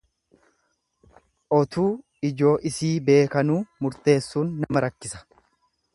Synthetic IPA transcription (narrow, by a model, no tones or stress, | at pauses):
ʔɔt̪uː | ɪd͡ʒo̞ːʔɪsiːbe̞ːkɐnuːmʊɾt̪e̞ːsːuːnːɐmɐɾɐkːɪsɐ̥